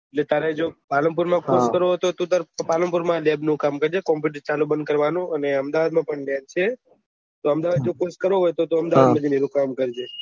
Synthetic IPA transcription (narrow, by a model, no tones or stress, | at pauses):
eʈlet̪jaɾed͡ʒopaləmp̬uɾmãkoskəɾoɦət̪oɦt̪ot̪aɾpaləmpuɾmãlebnũkamkəɾd͡ʒekɔmp̬juʈəɾt͡ʃalubənd̪̚kəɾʋanũəneəmd̪aʋad̪̚mãpəɳljant͡ʃʰe | t̪oəmd̪aʋad̪d͡ʒokoskəɾoɦojt̪ot̪oəmd̪aʋad̪mãd͡ʒiniɾũkamkəɾd͡ʒe